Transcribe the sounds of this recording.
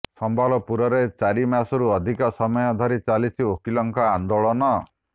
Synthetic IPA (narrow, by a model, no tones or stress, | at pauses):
sɔmbʱalɔpuɾɔɾet͡ʃaɾimasɔɾuɔd̪ʱikɔsɔmɔjɔd̪ʱɔɾit͡ʃalisʰiokilɔŋkɔand̪oɭɔnɔ